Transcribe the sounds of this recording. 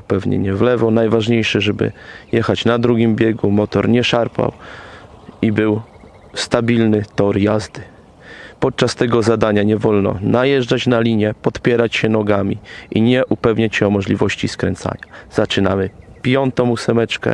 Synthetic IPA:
pɛvɲɛ̰ɲɛvlɛvɔnajvaʐɲejʂɘʐɛbɘ̰jɛxat͡ɕnad̪ɾuɡʲimbʲjɛɡumɔt̪ɔɾɲɛʂaɾpa̰w | ibɘw | st̪abʲilnɘt̪ɔɾjazd̪ɘ | pɔt̪̚t͡ʂast̪ɛɡɔzad̪aɲaɲɛvɔlnɔ̰najɛʐd͡ʐat͡ɕnalʲiɲɛpɔt̪pʲjɛɾat͡ɕɕɛnɔɡamʲiʔiɲɛʔupɛvɲat͡ɕɕɛɔmɔʐlʲivɔɕt͡ɕiskɾɛnt̪sa̰ɲaz̥at͡ʂɘnamɘpʲjɔnt̪ɔ̃m̃usɛmɛt͡ʂkɛ̰

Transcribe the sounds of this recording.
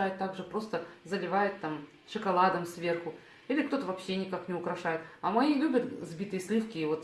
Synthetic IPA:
ajɪt̪ːaɡʐɨpɾo̞st̪əzəlʲɪvajɪt̪ːam | ʂɨkɐlˠad̪əmsvʲe̞rxʊ | ilʲɪkt̪o̞t̪əvɐpɕːenʲɪkaknʲɪʊkɾɐʂajɪt̪ɐmɐjilʲubʲət̪zbʲit̪ɨjəsʲlʲifkʲɪvo̞t̪

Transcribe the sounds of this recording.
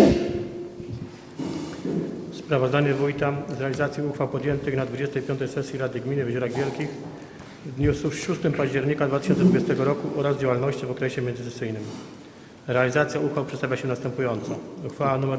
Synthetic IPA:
spɾavɔzd̪aɲɛvujt̪azɾɛalʲizat̪sʲiuxfawpɔd̪jɛnt̪ɘxnad̪vud͡ʑɛst̪ɛjpʲjɔnt̪ɛjsɛsʲjiɾad̪ɘɡmʲinɘvʑuɾaɣvʲjɛlkʲix | vd̪ɲusfʂust̪ɘmpaʑd͡ʑɛɾɲikad̪vat̪ɘʃɕɔnt̪sɛd̪vud͡ʑest̪ɛɡɔɾɔkuʔɔɾazd͡ʑawalnɔɕt͡ɕivɔkɾɛɕɛmʲɛnzɘt̪ɛ̥sɘjnɘm | ɾɛalʲizat̪sʲjauxfawpʂɛt̪t̪avʲjaɕɛnast̪ɛmpujɔnt̪sɔuxfawanumɛ

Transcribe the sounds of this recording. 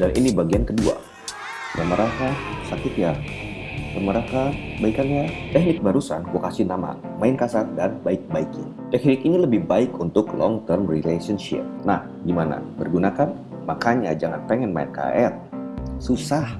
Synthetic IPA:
danʔḭnibaɡiankədua̰ | jaŋməɾakasakɪt̪̚ja | kəməɾakabaikanɲat̪ɛhnɪk̚baɾusankuakasinama̰ | maɪnkasardanbaɪk̚baikɪ | t̪ɛk̚nɪkiniləbɪhbaɪkunt̪ʊklɔŋt̪ərmrilesənʃɪ̰p̚na̰h | ɡimana̰bərɡunakan | makaɲa̰d͡ʒaŋanpəŋɛnma̰ɪ̰nka̰ɛt̪̚susah

